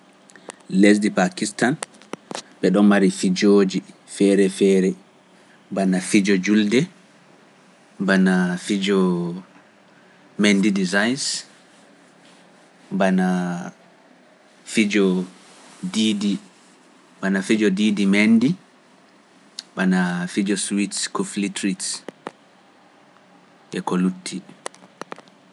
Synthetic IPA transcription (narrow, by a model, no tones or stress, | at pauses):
les̬dipakistan | ɓɛɗɔnmaɾifid͡ʒoːd͡ʒi | fɛɾɛfɛːɾɛ | banafid͡ʒɔd͡ʒuldɛ | banafid͡ʒɔ | mendidizajns | bana | fid͡ʒɔ | didi | banafid͡ʒɔdidimɛndi | banafid͡ʒɔswitskuflitɾits | ʔɛkolutʰːi